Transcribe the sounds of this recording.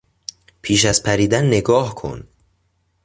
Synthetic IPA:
pʰiːʃæzpʰæɾiːd̪ænːeɡɒːhkʰo̰n

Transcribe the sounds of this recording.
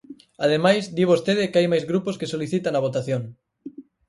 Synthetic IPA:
aðemajzd̪iβ̞ost̪eðɪkeajmajzɣɾuposkesoliθit̪anɐβ̞ot̪aθjoŋ

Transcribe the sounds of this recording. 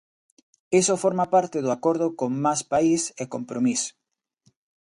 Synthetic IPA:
isofoɾmapaɾt̪ɪðʊakoɾð̞ʊkoŋmaspaisekompɾomis

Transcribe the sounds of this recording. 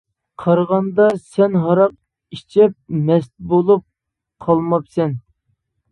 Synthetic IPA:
qʰɑɾʁɑnd̪ɑsɛnɦɑɾɑq̚ | it͡ʃʰɛp̚nɛst̪bolˠup̚ | qʰɑlˠmɑpsɛn

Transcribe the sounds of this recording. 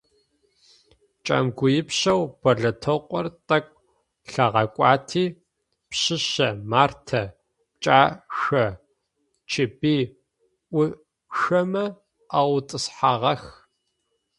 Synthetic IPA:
t͡ʃʼa̰ːmɡʷʊjɪpɕɐwb̥ɐɮɐtʰoqʷʼɔrtʼɐkʷʼ | ɬɐʁɐkʷʼɑːtʰiː | pɕɪɕɐmaːrtʰɐ | t͡ʃʼaːxɐ | t͡ʃʰɪbiː | ʔʷʊ | xɐmɐ | awtʼɨsħaːʁɐx

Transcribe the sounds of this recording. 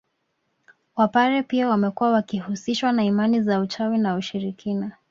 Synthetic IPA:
wapaɾɛpiawamɛkuwawakihusiʃwanaimanizaut͡ʃawinauʃiɾikʰina

